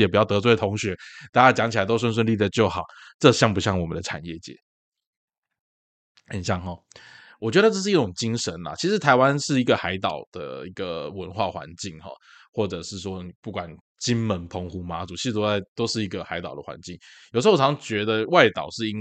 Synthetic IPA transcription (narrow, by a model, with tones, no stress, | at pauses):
jɛ˨˩p̬u˨˩jɑ˥˩ʊt̪ɤ˧˥t͡swe˥˩ɪt̪ʰo˧˥ŋɕɥɛ˧˥˦t̪a˥˧t͡ɕa˥˩t͡ɕjɑ˧˥ŋt͡ɕʰi˨˩a˧ɪt̪o˥ʊs̬wə˥nswə˥˧nli˥˧d̪ə˨˧t͡ɕjo˥˩ʊxɑ˨˩ʊʈ͡ʂɤ˥˧ɕjɑ˥˩ŋpu˧˥ɕ̬jɑ˥˩ŋwɔ˨˩mə˦nd̪ə˧ʈ͡ʂʰa̰˨˩njɛ˥˩t͡ɕjɛ̰˧˥˦ | hə˨˩nɕjɑ˥˩ŋxɔ˨˩ | wɔ˨˩t͡ɕɥɛ˧˥d̪ə˧ʈ͡ʂɤ˥˧ʂ̬ɻ̩˥˧i˥ʈ͡ʂʊ˨˩ŋt͡ɕi˥ŋʂə˧˦nlɐ̰˨t͡ɕʰi˧˥ʂɻ̩˧˥t̪ʰa˧˥ɪwa˦nʂɻ̩˥˩i˧˥ɡə˨xa˧˥ɪt̪ɑ̰˨˩ʊd̪̥ə̰˨i˧˥ɡ̥ə˨wə˧˦nxwa˥˩xwa̰˧˦nt͡ɕi˥˩ŋxɔ̰˨˩ | xwɔ˥˩ʈ͡ʂɤ˨˩ʂɻ̩˥˩ʂwɔ˥ni˨˩pu˥˩kwa˨˩n | t͡ɕi˦nmə˧˥npʰo˧˥ŋxu˧˥ma˧˥t͡su˨˩t͡ɕʰi˧˥ɻ̩ʰ˧o˥a˥˧˩ɪt̪o˥ʊʂɻ̩˥˩i˧˥ɡə˨xa˧˥ɪt̪ɑ˨˩ʊd̪ə̰˦˩wa̰˧˦nt͡ɕi˥˩ŋjʂ̩˧˥wʰɑ˧˥ŋt͡ɕɥɛ˧˥d̪ə˧wa˥˩ɪt̪ɑ˨˩ʊʂɻ̩˥˩i˧˥n